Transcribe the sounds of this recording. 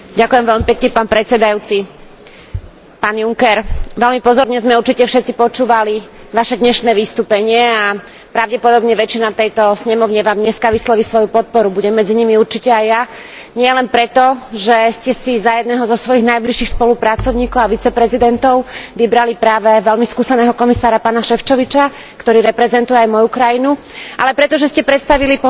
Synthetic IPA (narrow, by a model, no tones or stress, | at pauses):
ɟakujɛmʋɛlmipɛkɲɛpaːnpɾɛtt͡sɛd̪ajut͡si | paːnjuŋkɛɾʋɛlmipɔzɔɾɲɛzmɛuɾt͡ʃicɛfʃɛt̪t͡sipɔt͡ʃuːʋaliʋaʃɛd̪ɲɛʃnɛːʋist̪uːpɛɲɪɛa | pɾaʊɟɛpɔd̪ɔbɲɛʋɛt͡ʃinat̪ɛjt̪ɔsɲɛmɔʊɲɛʋaːmɲɛskaʋislɔʋisʋɔjupɔt̪̚pɔɾubuɟɛmːɛd͡ziɲimiuɾt͡ʃicɛajːa | ɲɪɛlɛnpɾɛt̪ɔʒɛscɛsizajɛd̪nɛːɦɔzɔsʋɔjiɣnajbliʃːiːxspɔlupɾat͡sɔʊɲiːkɔʊaʋit͡sɛpɾɛzid̪ɛnt̪ɔʊʋibɾalipɾaːʋɛʋɛlmiskuːsɛnɛːɦɔkɔmisaːɾapaːnaʃɛft͡ʃɔʋit͡ʃa | kt̪ɔɾiːɾɛpɾɛzɛnt̪ujɛajmɔjukɾajinu | ʔa̰lɛpɾɛt̪ɔʒɛscɛpɾɛt̪st̪aʋili